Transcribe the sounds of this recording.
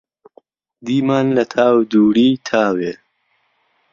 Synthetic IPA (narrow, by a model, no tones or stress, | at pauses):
d̪imaːnlɐt̪ʰaːwd̪uːɽit̪ʰaːwe